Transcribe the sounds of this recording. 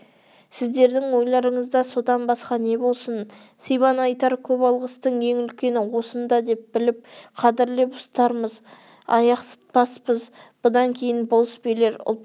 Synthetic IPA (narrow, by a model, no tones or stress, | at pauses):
sɪzd̪e̞ɾd̪ɪŋwo̞jlˠɑɾəɴəzd̪ɑso̞d̪ɑnbɑsqɑne̞bo̞lˠsən | sijβɑnɑjt̪ɑɾkʲʰɵpɑlˠʁəst̪əɴe̞ŋʏlkʲe̞nɪwo̞sənd̪ɑd̪e̞p̚bɪlɪp̚qʰɑd̪ɪɾlebʊst̪ɑɾməz | ɑ̰jɑqsə̥t̪̚pɑspəzb̥ʊd̪ɑŋkʲʰe̞jɪnbolˠəspele̞ɾʊ̰lˠ